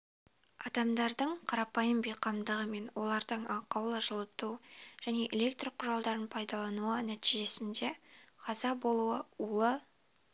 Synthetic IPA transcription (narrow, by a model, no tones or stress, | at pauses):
ɑd̪ɑmd̪ɑɾd̪əɴqʰɑɾɑpɑjəmbejqɑmd̪əʁəme̞nwo̞lˠɑɾd̪əɴɑqʰɑwlˠəʒəlˠət̪uʒ̥æne̞ʔele̞kt̪rqʰʊɾɑlˠd̪ɑɾənpʰɑjd̪ɑlˠɑnuənæt̪ijʒe̞sɪnd̪e̞qʰɑzɑbo̞lˠuəulˠə